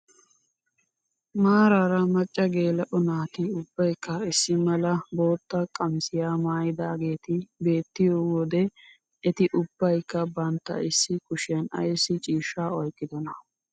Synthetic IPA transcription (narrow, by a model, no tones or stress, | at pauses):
maːɾaːɾɐmɐt͡ʃʼːɐɡe̞ːlɛʔɔnaːt̪ɪʊb̥ːɐjkːɐɪsːɪmɐlɐbo̞ːt̪ːɐkʼɐmsɪjaːmaːjɪd̪aːɡe̞ːt̪ɪbe̞ːt̪ːɪjoːwɔd̪ɛ | ɛt̪ɪʔʊb̥ːɐjkːɐbɐnt̪ːɐ̰ɪsːɪkʊʃɛnɐ̰jsːɪt͡ʃʼiːʃːaːɔjkʼːɪd̪ɔnɐ